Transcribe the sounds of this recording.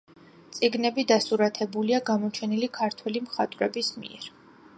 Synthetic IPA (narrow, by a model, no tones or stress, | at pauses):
t̪sʼiɡnɛbid̪asuɾat̪ʰɛbuliaɡamɔt͡ʃʰɛnilikʰaɾt̪ʰwɛlimχat̪ʼɾɛbismḭɛ̰ɾ